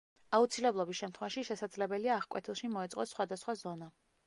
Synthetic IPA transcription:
aut̪sʰilɛblˠɔbisʃɛmt̪ʰχwɛvaʃiʃɛsad̪zlɛbɛliaːχkʼwɛ̰t̪ʰilˠʃimɔɛt̪sʼɔsχwad̪asχwazɔna

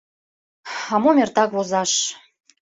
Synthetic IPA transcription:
ɑmomʲert̪ɑkβozɑʃ

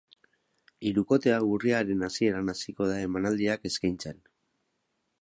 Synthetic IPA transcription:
iɾuko̞t̪e̞aɣuriaɾe̞nasie̞ɾanasiko̞ðae̞manald̪iake̞skajnt͡se̞n

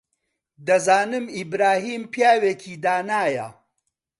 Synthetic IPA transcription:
d̪ɐzaːnɨmibɾaːɦiːmpjaːweːkʰiːd̪aːnaːjɐ̰

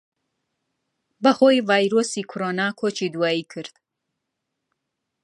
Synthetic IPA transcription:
bɐhojvaːjɾosikʰʊɾonakʰot͡ʃʰid̪uwaːikʰɨɾd̪̥

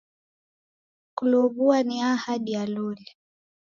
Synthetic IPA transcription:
kuluβuaniahaɗijalulɛ

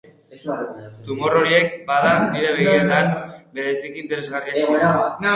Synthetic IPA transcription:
t̪umoro̞ɾie̞k̚baðaniɾe̞βeɣiet̪ambe̞ðesikiːnt̪e̞ɾe̞zɣaria

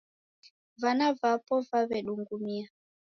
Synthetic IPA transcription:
vanavapɔvaβɛɗuŋɡumia

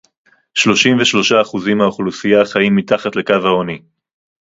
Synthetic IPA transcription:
ʃlo̞ʃimveʃlo̞ʃaːχuzimaoχlusijaχajimːit̪aχatle̞kavhaoni

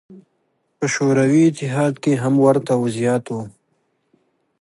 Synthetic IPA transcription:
pɐʃoːɾɐwiɪt̪ɪɦaːd̪keɦɐmwɐɾt̪awʊzjaːt̪oː

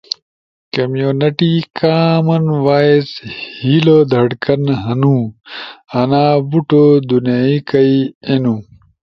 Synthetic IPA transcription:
kɐmjoːnɐʈikaːmɐnwaːeshilod̪ʱɐɽkɐnɦɐnũ | ɐnaːbuʈod̪unjaːikɐienũ

